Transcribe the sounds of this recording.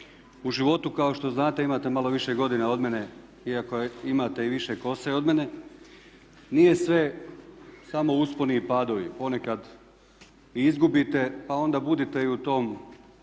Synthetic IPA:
uʒiʋo̞t̪ukao̞ʃt̪o̞znaːt̪e̞imaːt̪e̞malo̞ʋiʃe̞ɡo̞d̪inao̞d̪me̞ne̞ | iako̞imat̪e̞iʋiʃe̞ko̞seo̞d̪me̞ne̞ | nije̞sʋe̞ | samo̞usponipaːd̪o̞ʋḭpo̞ne̞kad̪ | izɡubit̪e̞pao̞nd̪abud̪it̪e̞iut̪o̞ːm

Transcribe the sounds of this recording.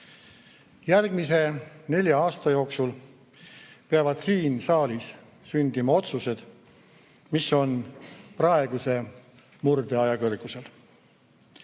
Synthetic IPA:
jærɡmise̞ne̞lʲjɑɑːst̪ɑjo̞ːksul | peɑvɑd̪̥siːnsɑːlis | synd̪̥imɑo̞t̪suse̞d̪̥ | miso̞nprɑe̞ɡ̥use̞ | murd̪̥e̞ɑjɑkɤrɡ̥use̞l

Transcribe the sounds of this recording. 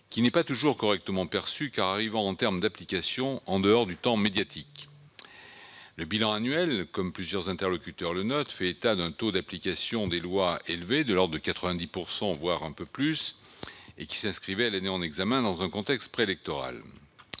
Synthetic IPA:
kʲinɛpat̪uʒuʁkɔʁɛk̚t̪əmɑ̃pɛʁsykaʁaʁivɑ̃ːt̪ɛʁmd̪aplikasjɔ̃ɑ̃d̪əɔʁd̪yt̪ɑ̃med̪jat̪ʰik | ləbilɑ̃anɥɛlkɔmplyzjœʁzɛ̃t̪ɛʁlɔkʲyt̪œʁlənɔt̪fɛet̪ad̪ɛ̃t̪od̪aplikasjɔ̃d̪elwaelved̪əlɔʁd̪əkat̪χəvɛ̃d̪ipuʁsɑ̃vwaʁɛ̃pøplys | ekʲi̥sɛ̃skχivɛalaneɑ̃nɛɡzamɛ̃d̪ɑ̃zɛ̃kɔ̃t̪ɛkst̪̚pχeːlɛk̚t̪ɔʁa̰l

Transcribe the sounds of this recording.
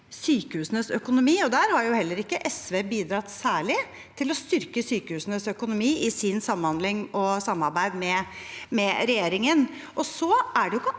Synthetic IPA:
syːkəhʉːsənəsœkʊnʊmiːɔd̪æːɾhɑɾjʊhɛlːəɾɪkːəʔɛsʋeːbiːd̪ɾɑt̪ːsæːɭɪ | t̪ʰɪlɔst̪ʏɾkəsyːkəhʉːsənəsœkʊnʊmiːʔɪsɪnsɑməhɑnd̪lɪŋɔsɑmːɑɾbæɪd̪mɛmɛɾɛjeːɾɪŋən | ʔɔsɔæɖɛjʊkːə

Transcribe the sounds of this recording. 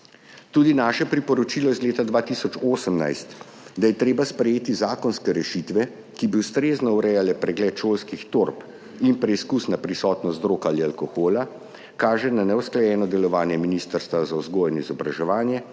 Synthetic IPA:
t̪uːd̪inaːʃɛpɾipɔɾɔt͡ʃiːlɔizleːt̪ad̪ʋaːt̪isɔt͡ʃoːsəmna̰jst̪ | d̪ajɛt̪ɾeːbaspɾɛjeːt̪izaːkɔnskɛɾɛʃit̪ʋɛ | kibiust̪ɾeːznɔuɾɛjalɛpɾɛɡlɛːt̪ʃoːlskixt̪oɾp | inpɾɛiskusnapɾisɔːt̪nɔsd̪ɾoːkaːlialkɔxoːla | kaːʒɛnanɛusklajɛːnɔd̪ɛlɔʋaːnjɛminiːst̪əɾst̪ʋazauzɡoːjɛnizɔbɾaʒɛʋaːnjɛ

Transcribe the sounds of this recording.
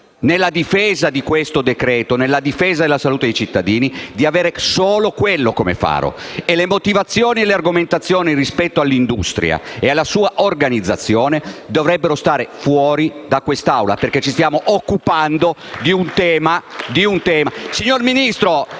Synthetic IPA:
nelːad̪ifɛːzad̪ikwest̪od̪ekɾɛːt̪onelːad̪ifeːzad̪elasaluːt̪ed̪ejt͡ʃit̪ːad̪iːnid̪iaveːɾesoːlokwelːokomḛfa̰ːɾo̰elemot̪ivat̪sːjoːnielearɡoment̪at̪sːjoːnirispɛt̪ːoalːind̪ust̪ɾja̰ealːasuːaʔorɡanid̪zːat̪sːjoːned̪ovɾɛbːeɾost̪aːɾefwɔːɾid̪akwest̪aawla̰perk̟et͡ʃːist̪jaːmoʔokːupand̪od̪iunt̪ɛːmad̪iunt̪ɛːmasiɲːorminist̪ɾo

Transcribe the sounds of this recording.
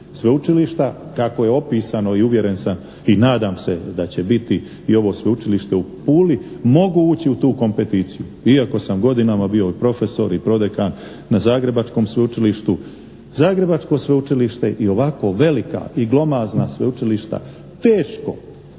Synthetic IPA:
sʋeut͡ʃiliʃt̪akako̞jeo̞piːsano̞iuʋje̞ɾe̞nsam | inaːd̪aːmse̞d̪at͡ɕe̞bit̪i | io̞ʋo̞ːsʋe̞ut͡ʃiliʃt̪e̞upuːlimo̞ɡuuːt͡ɕiut̪uːko̞mpe̞t̪iːt̪sijuiako̞samɡo̞d̪inamabio̞ipɾo̞fe̞so̞̰ɾipɾo̞d̪ekanː | azaːɡɾe̞bat͡ʃko̞ːmsʋe̞ut͡ʃiliʃt̪u | zaːɡɾe̞bat͡ʃko̞sʋe̞ut͡ʃiliʃt̪e̞ʔio̞ʋako̞ʋe̞lika̰iɡlˠo̞maːznasʋe̞ut͡ʃiliʃt̪a̰ | t̪eːʃko̞̰

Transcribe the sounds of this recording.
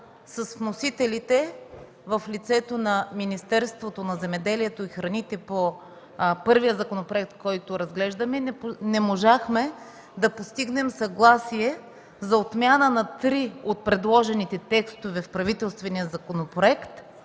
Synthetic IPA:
sɐsvnosit̪ɛlit̪ɛ | vɐflit̪sɛt̪onɐminist̪ɛɾst̪vot̪onɐzɛmɛd̪ɛliɛt̪oixɾɐnit̪ɛpo | pɤɾvijəzɐkonopɾoɛk̚t̪̚kɔjt̪oɾɐzɡlɛʒd̪ɐmɛnnɛmoʒaxmɛ | d̪ɐpost̪iɡnɛmsɐɡlˠasiɛ | zɐot̪mʲjanənɐt̪ɾiot̪̚pɾɛd̪lˠɔʒɛnit̪ɛt̪ɛkst̪ovɛfpɾɐvit̪ɛlˠst̪vɛniəzɐkonopɾoɛkt̪

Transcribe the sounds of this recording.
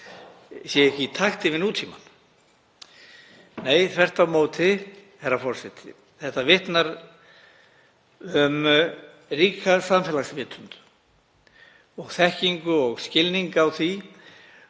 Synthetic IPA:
sjɛɛhcɪt̪ʰaxt̪ɪvɪnuːt̪ʰiman | neːjθvɛr̥t̪amowt̪ʰɪhɛrɾafɔr̥sɛt̪ʰɪ̰ | θɛht̪avɪht̪naɾ | ʏm | riːkasamfɛːlaxsvɪːt̪ʰʏnt̪ | ɔɣθɛhciŋkʏɔɣscɪlniŋkawθvi

